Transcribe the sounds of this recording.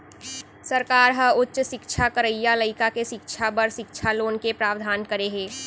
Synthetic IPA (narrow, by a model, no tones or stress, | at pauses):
səɾkaːɾɦəʊtːʃʃɪkt͡ʃʰakəɾəijaləɪkakeʃɪkt͡ʃʰabəɾʃɪkt͡ʃʰaloːnkepɾaːʋd̪ʱaːnkəɾeɦeː